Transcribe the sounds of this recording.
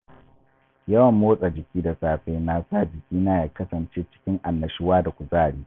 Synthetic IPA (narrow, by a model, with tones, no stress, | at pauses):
jɐ˦wɐ˨mːoː˦sʼa˨d͡ʒɪ˨kʲiː˦da˨saː˨ɸɛ˦jnaː˨saː˦˨d͡ʒɪ˨kʲiː˦naː˦˨ja˨kɐ˦sɐ˨nt͡ʃeː˦t͡ʃɪ̥˦kʲɪ˦ŋʔa˨nːɐ˨ʃɪ˦waː˦da˨kʷu˨zaː˦˨ɽiː˦